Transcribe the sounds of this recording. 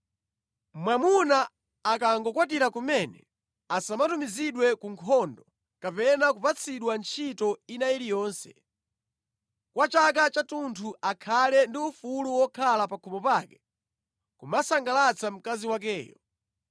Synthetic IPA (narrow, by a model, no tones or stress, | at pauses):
mwamunaː | kaŋɡɔkwat̬iɾakumɛnɛ̰ | asamatumiziɗwɛkuŋkʰɔndɔ | kapɛnakupat͡sʰiɗwant͡ʃʰitɔinajiɾijɔːnsɛ̰ | kwat͡ʃak̬at͡ʃatuntʰuʔakʰalɛndiufuluwɔkʰalapakʰumɔpaːkɛ̥ | kumasaŋɡalat͡sʰam̩kaziwak̬ɛːjɔ